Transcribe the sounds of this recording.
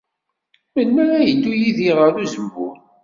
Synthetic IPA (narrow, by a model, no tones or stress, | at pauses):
mənːæɾæjəd̪ːujiðiʁəɾuzəmvṵn